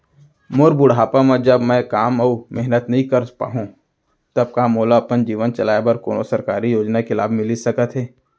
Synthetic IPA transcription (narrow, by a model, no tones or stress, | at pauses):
mʊɾbʊɽ̤aːpamə̃d͡ʒəbmɛ̃kaːmoːɾmɛɦnət̪nɐɦĩkɐɾpa̰ːɦũ | t̪ɐb̚kamoːlaɐpənd͡ʒiːʋənt͡ʃɐlaːjebəɾkoːnosɐɾkaːɾijoːd͡ʒnakelaːbmɪlisɐkət̪ɦɛː